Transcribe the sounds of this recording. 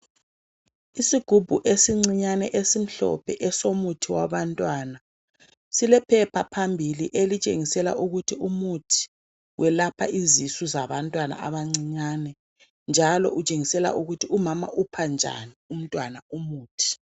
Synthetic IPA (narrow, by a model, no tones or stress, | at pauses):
isiɡ̥ʱub̥ʱuʔesiŋ͡ǀiɲanɛ̰ʔesim̩ɬɔ̰pʰɛʔɛsomutʰiwaβantʼwana | silɛpʰɛpʰapʰambʱiliʔelit͡ʃʼḛŋisɛla̰ʔuɣutʰiumutʰi̥ | wʔɛlapʰa̰ʔizisuzaβantʼwana̰aβaŋ͡ǀiɲanɛ | nd͡ʒʱalɔ̰ʔut͡ʃʼeŋisɛla̰ʔuɣutʰiumama̰ʔupʰand͡ʒʱa̰nium̩tʼwanaumuːtʰi̥